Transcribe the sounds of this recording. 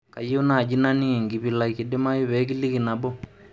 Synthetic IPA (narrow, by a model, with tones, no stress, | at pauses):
ka˨jo˦naː˦˨d͡ʒi˦na˦ni˦ɛ˨ŋɡi˨pi˨la˨iki˨de˦ma˦ji˦βɛ˨˦k̬i˦li˦ki˨na˨bɔ˦